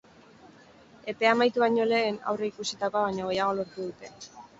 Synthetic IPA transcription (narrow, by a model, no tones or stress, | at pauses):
e̞pe̞amajt̪uβaɲo̞le̞ːna̰wre̞ikusit̪ako̞aβaɲo̞ɣe̞jaɣ̞o̞lo̞ɾt̪uðut̪e̞